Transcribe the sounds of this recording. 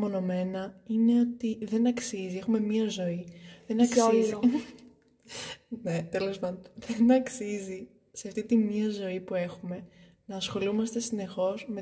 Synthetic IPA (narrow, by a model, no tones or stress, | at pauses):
mo̞no̞me̞nɐine̞o̞t̪iðe̞nɐksizie̞xume̞miɐzo̞iðenɐ | net̪elo̞spɐnðenɐksizi | se̞ɐft̪it̪imiɐzo̞ipue̞xume̞nɐːsxo̞lumɐst̪e̞sine̞xo̞zme̞